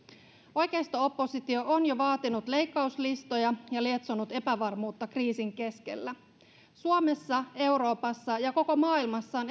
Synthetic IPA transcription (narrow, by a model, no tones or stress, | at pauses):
o̞jk̟e̞ist̪ɑo̞pːo̞sit̪io̞ʔonjoʋɑːt̪inut̪le̞jkːɑuslist̪o̞jɑjɑlie̞t̪sonut̪e̞pæʋɑrmuːt̪ːɑkriːsiŋke̞ske̞̰lːæ | suome̞sːɑe̞wɾo̞ːpɑsːɑjɑko̞ko̞mɑːilmɑsːɑːn